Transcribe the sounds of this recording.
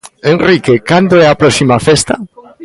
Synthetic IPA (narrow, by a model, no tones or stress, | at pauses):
enrikekand̪oɛapɾɔsimafest̪a